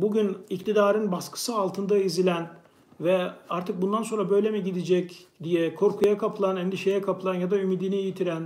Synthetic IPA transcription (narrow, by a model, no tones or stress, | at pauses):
buɟynict̪ʰid̪aːɾɯnbaskʰɯ̥sɯalˠt̪ʰɯnd̪aizilʲæn | vɛaɾt̪ʰɯk̚bund̪anso̞nɾabø̞jlʲemiɟid̪id͡ʒɛcd̪ijɛkʰo̞ɾkʰujakʰapʰɯlˠanɛnd̪iʃe̞jɛkʰapʰɯlˠanjad̪aymid̪iniːjit̪ʰiɾæn